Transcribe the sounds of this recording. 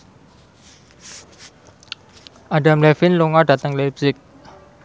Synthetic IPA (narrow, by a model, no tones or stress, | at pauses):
ʔadamlɛfinloŋadat̪aŋlep̚sɪk̚